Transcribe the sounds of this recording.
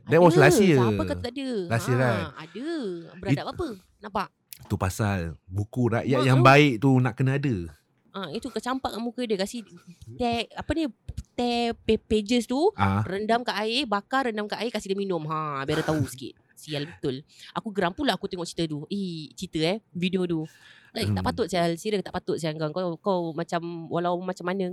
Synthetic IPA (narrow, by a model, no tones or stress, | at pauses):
dɛt̚wɔslasiəapəkaət̪adəlasiəɾaa̰dəbəɾadap̚apə | naʔpaʔ | t̪upasalbukuɾa̰ʔjaʔjaŋbaɪʔt̪unaʔkənaadə | ʔãit̪ukət͡ʃampaʔkaʔmukədəkasit̪ɛapənit̪ɛpeped͡ʒəst̪uarəndamkaʔaɪbakaɾəndamkaʔaɪkasihdəminʊmɦãbaɾət̪ausə̥kḭt̪̚ | sialbət̪ʊlakuɡəɾaŋpulaakut̪ɛŋɔʔt͡ʃi̥t̪ət̪uit͡ʃit̪əɛhvidiodulait̪aʔpat̪ʊt̪̚sialsiɾət̪aʔpat̪ʊt̪̚siaŋɡaŋkakawmat͡ʃamwalawmat͡ʃamːanə̃